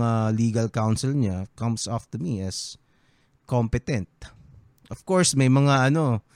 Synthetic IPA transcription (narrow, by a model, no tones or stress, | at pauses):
aliːɡɐlkawnsɪlɲakɐ̃msɔft̪ʊmiʔɐs | kompɛt̪ɛ̃nt̪̚ | ʔɔfkoɹsmɐjmɐŋaʔɐno̞